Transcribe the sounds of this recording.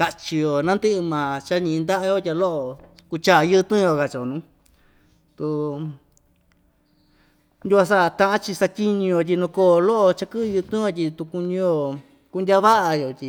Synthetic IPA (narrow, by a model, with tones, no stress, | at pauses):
ka˧t͡ʃi˧jo˨nã˦nd̪ɨ˦ʔɨ˧mãː˨t͡ʃa˦ɲĩ˧nd̪a˦ʔa˧jo˦tʲa˧lo˦ʔo˧ku˧t͡ʃa˦˨˧jɨ˦˧t̪ũː˦jo˧˨ka˧˨t͡ʃo˨nũ˨˦ | t̪u˧ | nd̪ʲu˧a˧s̬a˦˧t̪ã˧ʔã˦t͡ʃi˧sa˧t̪ʲi˦ɲĩ˧o˧t̬ʲi˧nũ˧koː˦˨˧lo˦ʔo˧t͡ʃa˧kɨ˦˧jɨ˧t̪ũ˦jo˧t̪̬ʲi˧t̪u˧ku˧ɲĩ˧jo˧˨ | ku˧ndʲa˦βa˦ʔa˧jo˨t̪ʲi˧